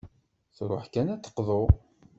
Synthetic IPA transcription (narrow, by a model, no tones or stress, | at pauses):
θɾˤo̰ħkænæt͡s̪ːə̥qːðˤo